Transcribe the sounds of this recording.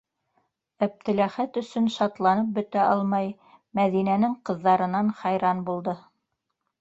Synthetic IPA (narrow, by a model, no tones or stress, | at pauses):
æp̚t̪ɘ̆læχæt̪ɵ̆sɵnʃɑt̪lˠɑnɤp̚bɵ̆t̪æʔɑlˠmɑj | mæðinænɘŋqɤ̆ðːɑɾɤ̆nɑnχɑjɾɑnbulˠd̪ɤ